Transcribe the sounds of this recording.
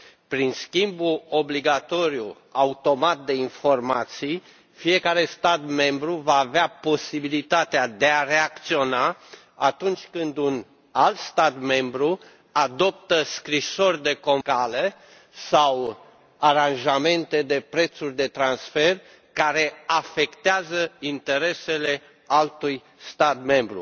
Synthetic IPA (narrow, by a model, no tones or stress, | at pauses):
pɾinskʲimbuo̞bliɡat̪o̞ɾju | aut̪o̞mat̪̚d̪e̞info̞rmat̪sij | fije̞kaɾe̞st̪at̪me̞mbɾuvaːveapo̞sibilit̪at̪ead̪e̞are̞ak̚t̪sio̞na | at̪unt͡ʃʲkɨnd̪un | alt̪st̪at̪me̞mbɾu | ad̪o̞p̚t̪əskɾiso̞rʲd̪e̞ko̞nkale | saw | aɾanʒame̞nt̪e̞d̪e̞pɾe̞t̪surʲd̪e̞t̪ɾansfe̞r | kaɾe̞afe̞kt̪eazəint̪e̞ɾe̞se̞le̞ | alt̪uj | st̪at̪me̞mbɾṵ